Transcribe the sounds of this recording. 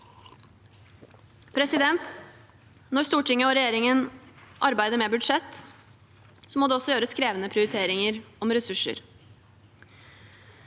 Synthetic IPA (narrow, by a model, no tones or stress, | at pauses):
pʰɾɛsɪd̪ɛnt̪ | nɔɾst̪uːʈʰɪŋːəɔɾɛjeːɾɪŋənʔɑɾbæɪd̪əmɛbʉɖʂɛt̪ː | sɔmoːd̪ɛːɔsːɔjøːɾəskɾeːʋənəpʰɾɪʊɾɪt̪ʰeːɾɪŋəɾɔmɾɛsʉʂə̰ɾ